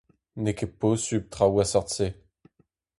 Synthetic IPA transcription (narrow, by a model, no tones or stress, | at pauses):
nekeposyb̚t̪χawasaʁt̪se